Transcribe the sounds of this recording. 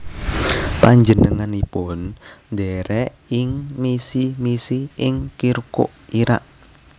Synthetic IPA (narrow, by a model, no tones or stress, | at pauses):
paɲd͡ʒənəŋanipʊnnd̪ɛɾɛ | ɪŋmisimisiʔɪŋkiɾko̰ʔiɾa̰ʔ